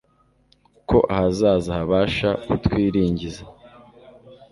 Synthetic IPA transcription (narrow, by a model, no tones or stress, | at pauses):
ko̞̰ʔahazaːzahaβaːʃautwiːɾiːɲɟiza